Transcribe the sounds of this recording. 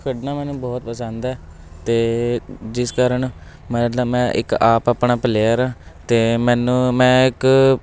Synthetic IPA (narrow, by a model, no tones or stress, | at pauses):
kʰəɖnaːmɛːnũːbɔːt̪pəsə̃nd̪ɛː | t̪eːd͡ʒɪskaɾəɳ | mət̪ləbmɛ̃ːʔɪ̰kaːpaːpɳaːpəleaːɾãːt̪eːmɛːnũːmɛ̃ːɪk